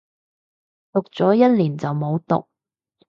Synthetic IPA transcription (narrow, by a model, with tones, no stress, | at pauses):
t̪ʊ˨k̚t͡sɔː˨˥jɐ˥t̚liː˨˩nt͡sɐ˨wmo˨˧wt̪ʊ̰˨k̚